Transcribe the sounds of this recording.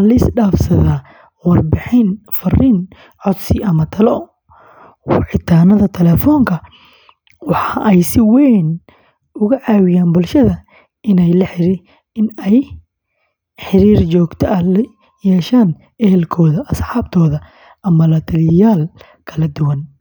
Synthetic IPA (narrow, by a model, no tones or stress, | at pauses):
lɐɪsɖaːfsɐðaː | wɐrbɪħɪnfɐrin | ʕɔd̪sɪʔɐmɐt̪ʰɐlɔ | wʕɪt̪ʰaːnɐðɐt̪ʰɛlɛːfɔːŋkʰɐ | wɑħɑːʔɛjsɪwɛːn | ʊɣɐʕaːwɪjaːnbʊlʃɐðɐ | ʔɪnɛjlɐħɪɾiɪ | ɪnɛj | ħɪɾiːrt͡ʃɔːɡt̪ʰɐʔɐl | jɛːʃaːn | ʔɛɦɛlkʰɔːðɐʔɐsħɑːb̚t̪ʰɔːðɐ | ʔɐmɐlɐt̪ʰɐlɪjaːl | kʰɐlɐd̪ʊwɐn